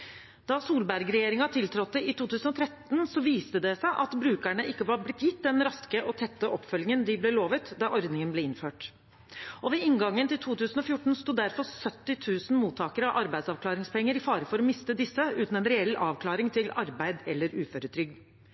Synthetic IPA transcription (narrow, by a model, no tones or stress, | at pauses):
d̪̥ɑsuːlbæɾɡɾɛjeːɾɪŋɑt̪ʰɪlt̪ʰɾɔt̪ːəɪt̪uːt̪ʰʉːsn̩ɔt̪ʰɾɛt̪nsɔʋiːst̪əd̪ɛsæɪʔɑt̪bɾʉːkæɳəʔɪkːəʋɑːɾblɪt̪jɪt̪ːd̪ɛnɾɑskəʔɔt̪ʰɛt̪ːəʔɔpːfœljɪŋənd̪ɪblɛloːʋət̪d̪ɑʔɔɾd̪nɪŋənblɛːɪnføːʈ | ɔʋɛɪŋɡɑŋːənt̪ɪlt̪ʰuːt̪ʰʉːsn̩ɔfjʊʈːɳ̩st̪uːd̪æɾfɔɾsœt̪ːɪt̪ʰʉːsn̩muːt̪ʰːɑːkəɾəɑʋʔɑɾbæɪd̪sɑʋkʰlɑːɾɪŋspɛŋːəɾɪfɑːɾəfɔɾɔmɪst̪əd̪ɪsːəʉːt̪n̩ɛnɾɛɛlːɑːʋkʰlɑːɾɪŋt̪ʰɪlɑɾbæɪd̪ɛlːəɾʉːføːɾət̪ʰɾʏɡ